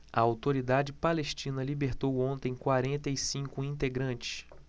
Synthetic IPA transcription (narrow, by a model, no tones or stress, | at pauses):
ɐawt̪oɾid̪ad͡ʒɪpaleʃt͡ʃĩnɐlibeɾt̪owõnt̪ẽj̃kwaɾẽnt̪ɐjsĩŋkʊĩnt̪eɡɾɐ̃nt͡ʃɪ̥s